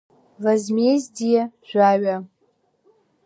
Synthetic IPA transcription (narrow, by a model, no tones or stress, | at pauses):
lazmezdijaʒᶣʷaɥa